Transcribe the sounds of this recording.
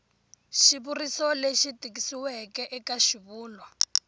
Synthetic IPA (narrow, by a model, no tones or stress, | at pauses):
ʃiβurisɔleʃitik̬isiwɛkɛʔɛkaʃiβuːlwa